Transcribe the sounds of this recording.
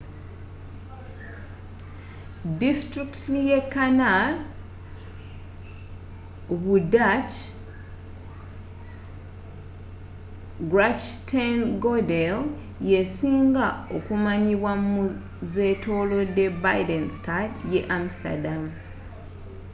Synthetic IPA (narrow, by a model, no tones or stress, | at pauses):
distɾiktijekːanal | βudat͡ʃ | ɡɾat͡ʃtanɡodel | je̞siːŋɡao̞kumaɲiβwamu | ze̞tʰo̞lo̞de̞bajdenstadjeʔam̩sta̰dam